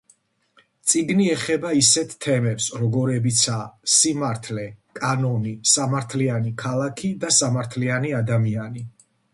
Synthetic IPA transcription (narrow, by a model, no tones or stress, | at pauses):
t̪sʼiɡniɛχɛbaisɛt̪ʰt̪ʰːɛmɛpsɾɔɡɔɾɛbit̪sʰasimaɾt̪ʰlɛkʼanɔnisamaɾt̪ʰlianikʰalˠakʰid̪asamaɾt̪ʰlianiad̪amiani